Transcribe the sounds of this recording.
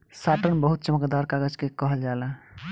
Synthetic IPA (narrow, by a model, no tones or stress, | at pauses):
saʈənbəɦut̪̚t͡ʃəməkd̪aɾkaɡəd͡ʒkekəɦəld͡ʒalə